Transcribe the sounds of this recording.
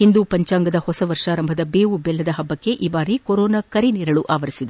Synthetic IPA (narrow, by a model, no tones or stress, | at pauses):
hind̪upɐɲt͡ʃaːŋɡɐd̪ɐhɔsɐʋɐɾʂaːɾɐmbʱɐd̪ɐbeːʋubɛlːɐd̪ɐɦɐbːɐkːe̞ʔiːbaːɾikɔɾɔːnɐkɐɾiniːɾɐɭuʔa̰ːʋɐɾisid̪e